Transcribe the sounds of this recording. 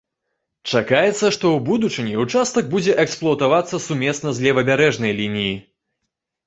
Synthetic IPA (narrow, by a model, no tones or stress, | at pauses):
t͡ʂakajɛt̪sːɐʂt̪ɔwbud̪ut͡ʂɨnʲɛut͡ʂast̪ɐɡ̚bud͡zʲɛʔɛksplˠɔɐt̪avat̪sːɐsumʲɛsnɐzʲlʲɛvɐbʲaɾɛʐnɐjlʲinʲiji